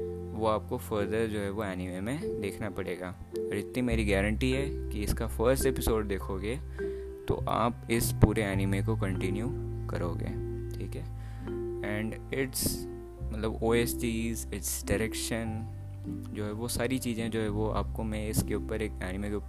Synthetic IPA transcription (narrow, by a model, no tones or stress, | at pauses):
ʋoaːp̚kofəɾd̪əɾd͡ʒoːɦɛʋoɛːnɪmemẽd̪eːkʰnapɐɽeːɡaː | ɔːɾd͡ʒɪt̪nimeːɾiɡɛːɾə̃ɳʈiɦɛkiɪskafəɾsʈepɪsoːɖ̚d̪eːkʰoːɡeː | t̪o̰ʔa̰ːpɪspuːɾeɛːnɪmekokɐ̃ɳʈɪnjukɐ̰ɾoːɡḛːʈʰiːkɦɛː | ɛ̃ːɳɖɪʈs | mɐt̪ləboːeːsʈiːzɪʈsɖɪɾɛkʃən | d͡ʒoːɦɛʋosaːɾit͡ʃiːzẽd͡ʒoːɦɛʋoa̰ːp̚komɛ̃ɪskeʊpəɾeːkɛːnɪmeke